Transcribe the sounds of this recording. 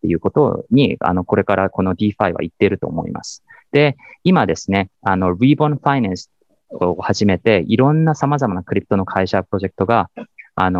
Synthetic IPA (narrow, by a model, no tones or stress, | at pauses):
t̪ːe̞jɯ̟ːko̞t̪o̞̰ɲ̟ia̰no̞ko̞ɾe̞kaɾako̞no̞d̪ʲiːɸaiβa̰it̪ːeɾɯ̟t̪o̞̰ːmo̞̰ḭma̰sɨ̥d̪̥e̞imad̪e̞sɨne̞ano̞biːbõñɸainãɰ̃sɨ̥ | ohaʑime̞t̪e̞iɾõ̞nːasamazamanakɯ̟ɾʲipɯ̥t̪o̞no̞kʰaiɕapɯɾo̞ʑe̞kɯ̥t̪o̞ɡaa̰no